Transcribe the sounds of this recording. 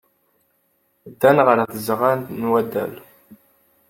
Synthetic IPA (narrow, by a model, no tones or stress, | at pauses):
d̪ːænʁəɾθəzʁænt̪nwæd̪æ̰l